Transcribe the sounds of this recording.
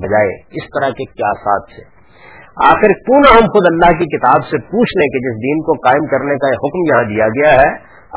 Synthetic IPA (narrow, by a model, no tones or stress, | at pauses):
bɐd͡ʒaːḛɪst̪ɐɾəɦkekjaːsa̰ːt̪sḛ | a̰ːxɪɾkuːnaɦɐmxʊd̪ɐlːaɦk̬ikɪt̪aːbsepuːt͡ʃʰnẽked͡ʒɪsd̪iːnkoqaːɪmkɐɾnekaekɦʊkmjɐɦãd̪ijaɡɐjaɦɛ